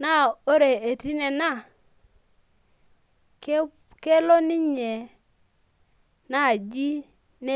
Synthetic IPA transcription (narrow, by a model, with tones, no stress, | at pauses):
na˦o˦ɾe˨e˨ti˦nɛ˨na˦˨ | k | ke˦lɔ˦ni˦ɲɛ˨ | na˦˨d͡ʒi˦ | ne˦